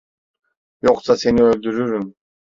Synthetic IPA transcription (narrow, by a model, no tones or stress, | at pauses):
joqsase̞niølʲd̪yɾyɾym